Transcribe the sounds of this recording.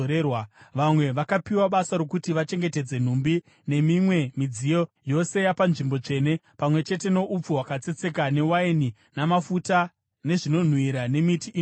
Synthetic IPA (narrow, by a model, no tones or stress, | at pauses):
ɾewaʋamwe̞ʋakapiwaɓasaɾokutiʋat͡ʃe̞ŋɡete̞d͡ze̞n̤umbi | ne̞mimwe̞mid͡zijo̞jo̞se̞japanʐimbo̞t͡ʂe̞ːne̞pamwe̞t͡ʃe̞te̞no̞ʔup͡fuwakat͡se̞t͡se̞kane̞waini | namafuta | ne̞ʐino̞n̤wiɾane̞mitiʔː